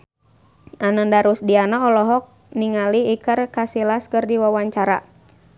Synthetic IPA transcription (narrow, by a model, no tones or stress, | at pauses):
anəndaɾusdianaɔlɔɦɔk̚ | niŋaliːkərkasilaskərdiwawaɲt͡ʃaɾa